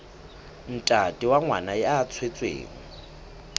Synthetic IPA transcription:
n̩tʼatʼiwaŋwanaɛat͡sʰwet͡sʼwḛːŋ̩

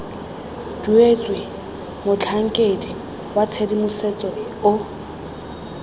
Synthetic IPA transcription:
d̥uet͡sʼwɪ | mʊt͡ɬʰaŋ̩kʼedi | wat͡sʰedimʊset͡sʼɔ | ʊ

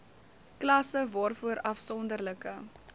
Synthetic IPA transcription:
klɐsəvɑːrfuəɾɐfsɔndərləkə

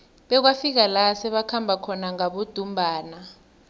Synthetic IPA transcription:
ɓɛk̬wafik̬alasɛɓakʰambʱakʰɔnaŋaɓud̥ʱumbʱaːna

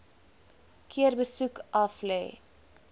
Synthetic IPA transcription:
kʰiərbəsukʔɐflɛ̰j

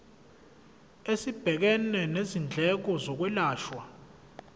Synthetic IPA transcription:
esib̥ʱɛk̬ɛnɛnezind͡ɮʱɛk̬ɔzok̬wɛlaːʃwa

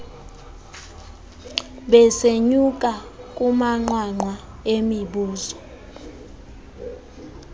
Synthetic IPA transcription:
ɓɛseɲuk̬ʼakʼumaŋ͡ǃwaŋ͡ǃwa | emiɓuːzɔ

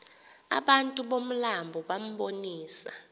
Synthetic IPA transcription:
a̰ɓantʼuɓom̩lambʱɔɓam̩ɓoniːsa

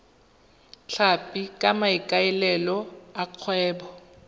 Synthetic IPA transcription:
t͡ɬʰapʼikʼamaikʼaɛlɛlɔaq͡χʰwɛːbɔ

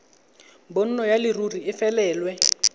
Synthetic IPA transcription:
mbon̩nɔjalɪruriɪfɛlɛːlwɛ

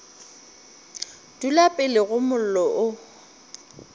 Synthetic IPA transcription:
d̥ulapʼɪlɪɣʊmʊl̩lɔʔʊ

